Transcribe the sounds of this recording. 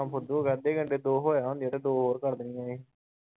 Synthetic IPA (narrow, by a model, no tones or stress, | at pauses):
ampʰʊd̪uːoːɡaːd̪eːɡəɳɖeːd̪oːɦoːjaːɦõnd̪ijaːt̪eːd̪oːɦoːɾkəɾd̪ɪnĩːãːeː